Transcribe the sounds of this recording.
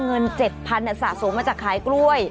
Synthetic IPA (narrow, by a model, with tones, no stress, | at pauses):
ŋɤ˧nt͡ɕe˨˩t̪̚pʰa˧nʔa˨˧˩sa̰ː˨˩so˨˩˦mːaː˧t͡ɕaː˨˩kʰːaː˨˩˦jkɾu˥˩əj